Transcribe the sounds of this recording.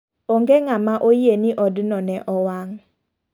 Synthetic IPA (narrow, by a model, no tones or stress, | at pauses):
oŋɡeŋamaʔojenɪʔɔdnɔnɛʔɔwaŋ